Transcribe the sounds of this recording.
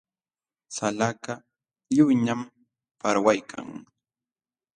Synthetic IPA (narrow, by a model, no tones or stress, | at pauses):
salaka | ʎʊjɲam | paɾwajkʰa̰ŋ